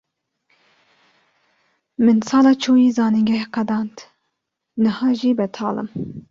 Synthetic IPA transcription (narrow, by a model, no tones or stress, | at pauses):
mɨnsɑːlɑːt͡ʃʰuːjiːzɑːniŋɡɛqɛd̪ɑːnt̪ | nɨhɑːʒiːbɛt̪ʰɑ̰ːlɨ̰m